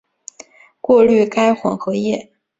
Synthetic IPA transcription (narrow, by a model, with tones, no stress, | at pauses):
kwɔ˥˧ly˥˩ka˥ɪxwə̰˨˩ŋxɤ˧˥jɛ˥˩